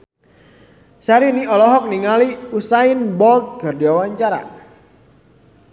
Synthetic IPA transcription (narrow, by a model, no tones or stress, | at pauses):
saɾiniɔlɔɦɔk̚niŋaliusainbɔlt̪̚ɡ̥a̤rdiawaɲt͡ʃaɾa̰